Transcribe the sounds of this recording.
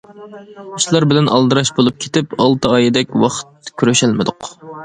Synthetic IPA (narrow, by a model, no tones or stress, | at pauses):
uʃlˠɑɾbɪlɛnʔɑ̰lˠd̪ɨɾɑʃbolˠup̚kʲʰe̥t̪ɪpɑlˠt̪ʰɨɑjɪd̪ɛkʲwɑχt̪̚kʲʰyɾyʃælmɪd̪ʊq